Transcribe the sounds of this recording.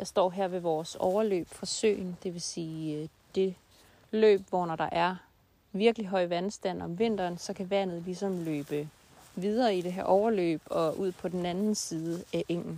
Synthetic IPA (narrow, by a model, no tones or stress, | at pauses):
jɑ̈ɪsd̥ɒ̰ːɦæɐ̰ʋe̝ʋɒːsɒʊɐlø̰ːb̥fɒsø̰ːɪnd̥e̝ʋe̝siːd̥e̝ | lø̰ːb̥ʋɒnɒɾ̥ɑ̈ʔæɐ | ʋiɐɡ̥əliɦɒ̽ɪ̰ʋænsd̥æn̰ɒ̽mʋe̝n̰d̥ɐːnsɒ̽kʰæʋæn̰ð̞̩ˠlisɒ̽mløːb̥ə | ʋið̞ˠɐːid̥e̝ɦæɐʔɒʊɐlø̰ːb̥ɒ̽ʔuð̞̰ˠpʰɒ̽d̥enænn̩siːðˠəæʔeŋ̰n̩